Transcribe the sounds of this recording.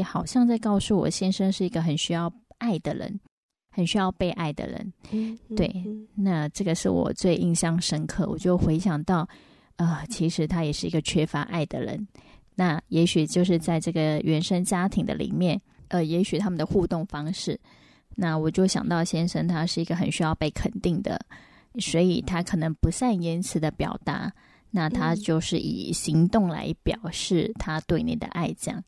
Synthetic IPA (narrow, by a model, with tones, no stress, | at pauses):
xɑ˨˩ʊɕjɑ˥˧ŋt͡sa˥˧ɪkɑ˥˧ʊsu˥˩wɔ̰˨˩ɕjɛ˥nʂə˥nʂɻ̩˥˩i˧˥ɡə˩xə˨˩nɕy˥jɑ˥˧ʊa˥˩ɪd̪ə˩ɻə̰˧˥n | xə˨˩nɕy˥jɑ˥˧ʊpe˥˧ɪʔa˥˩ɪd̪ə̰˩ɻə̰˧˥nt̪we˥˩ɪna˥˧ʈ͡ʂɤ˥˩ɡə˩ʂɻ̩˥˩wɔ̰˨˩t͡swe˥˧ɪʔi˥˧ŋɕjɑ˥˩ŋʂə˥nkʰɤ˥˩wɔ̰˨˩t͡ɕjo˥˩ʊxwe˧˥ɪɕjɑ˨˩ŋt̪ɑ˥˩ʊ | ə˥˩t͡ɕʰi˧˥ʂɻ̩˧˥t̪ʰa˥jɛ˨˩ʂɻ̩˥˩i˧˥ɡə˨˩t͡ɕʰɥɛ˥fa˧˥ʔa˥˩ɪd̪ə̰˩ɻə̰˧˥nna˥˩jɛ˧˥ɕy˨˩t͡ɕjo˥˧ʊʂɻ̩˥˧t͡sa˥˧ɪʈ͡ʂɤ˥˩ɡə˩ɥɛ˧˥nʂə˥ŋt͡ɕja˥t̪ʰi˧˥ŋd̪ə̰˧lḭ˨˩mjɛ˥˩n | ə˩jɛ˧˥ɕy˨˩t̪ʰa˥mə˨nd̪ə˨xu˥˧t̪ʊ˥˩ŋfɑ˥ŋʂɻ̩˥˩ | na˥˩wɔ˨˩t͡ɕjo˥˩ʊɕjɑ̰˨˩ŋt̪ɑ˥˩ʊɕjɛ˥nʂə˥nt̪ʰa˥ʂɻ̩˥˩i˧˥ɡə˧xə˨˩nɕy˥jɑ˥˧ʊpe˥˩ɪkʰə˨˩nt̪i˥˩ŋd̪ə̰˩ | swɔ˧˥i˨˩t̪ʰa˥kʰɤ˨˩nɤ˧˥ŋpu˧˥sa˥˩ni˥nt͡sʰɹ̩˧˥d̪ə˧pjɑ̰˨˩ʊt̪a̰˧˥ | na˥˩t̪ʰa˥t͡ɕjo˥˧ʊʂɻ̩˥˩ʔḭ˨˩ɕi˧˥ŋt̪ʊ˥˩ŋla̰˧˥ɪpjɑ˨˩ʊʂɻ̩˥˩t̪ʰa˥t̪we˥˩ɪnḭ˨˩d̪ə̰˦ʔa˥˧ɪt͡ɕjɑ̰˥˩ŋ